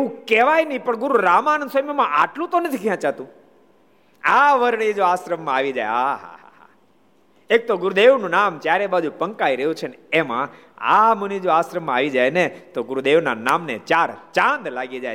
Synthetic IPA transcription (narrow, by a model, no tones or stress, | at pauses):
eũkeʋajnəipəɳɡʊɾuɾamannsəmjəmãʔaʈlũt̪onət̪ʰikjãt͡ʃat̪ũ | aʋəɾɳ̃id͡ʒoasɾəmːãaʋid͡ʒa̰jaɦa̰ | ek̚t̪oɡʊɾud̪eʋnũnamt͡ʃjaɾebad͡ʒupəŋkaiɾəɦjũt͡ʃʰeneemã̰ | a̰mənid͡ʒoasɾəmːãaʋid͡ʒajnet̪oɡʊɾud̪eʋnanamnet͡ʃaɾt͡ʃãnd̪laɡid͡ʒaj